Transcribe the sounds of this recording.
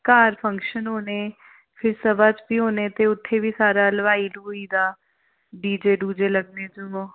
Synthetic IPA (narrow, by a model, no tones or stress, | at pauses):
kaːɾpʰə̃ŋkʃənɦoːneː | pʰɪɾsəbaːt͡ʃbiːɦoːneːt̪eːʊt̪ʰːeːbiːsaːɾaːləʋaːiːluːiːd̪aː | ɖiːd͡ʒeːɖuːd͡ʒeːləɡneːd͡ʒoː